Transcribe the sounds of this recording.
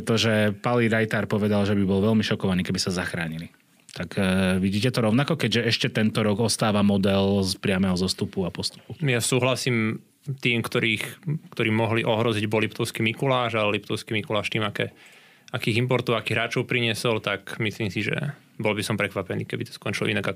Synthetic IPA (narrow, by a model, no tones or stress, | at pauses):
t̪ɔʒɛpaliɾajt̪aɾpɔʋɛd̪alʒɛbibɔlʋɛlmiʃɔkɔʋaniːkɛbisazaxɾaːɲili | t̪akʋiɟiːcɛt̪ɔɾɔʊnakɔkɛɟʒɛɛʃcɛt̪ɛnt̪ɔɾɔɡɔst̪aːʋamɔd̪ɛlspɾɪamɛɦɔzɔst̪upuapɔst̪u̥pujasuːɦlasiːm | t̪iːmkt̪ɔɾiːxkt̪ɔɾiːmːɔɦliʔɔɦɾɔziɟbɔlːipt̪ɔʊskimikulaːʒalɛlip̚t̪ɔʊskimikulaːʃt̪iːmakɛː | akiːɦimpɔɾt̪uakiɦɾaːt͡ʃɔʊpɾiɲɪɛsɔlt̪akmisliːmsiʒɛ̰ | bɔlbisɔmpɾɛkʋapɛniːkɛbit̪ɔ̥skɔnt͡ʃilɔ̰inaɡa